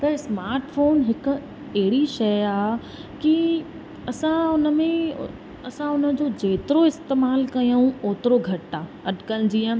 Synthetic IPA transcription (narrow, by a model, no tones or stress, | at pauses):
t̪ɐsmaːɾʈfoːnɦɪkʊ̆ | ɐɦɪɽiʃɐjaː | ki | ɐsãʊnə̆mẽ | ɐsãʊnə̆d͡ʑoːd͡ʑeːt̪ɪɾoɪst̪eːmaːlkɐjaũoːt̪ɪɾoɡʱɐʈːaː | ɐɗkənd͡ʑiə̃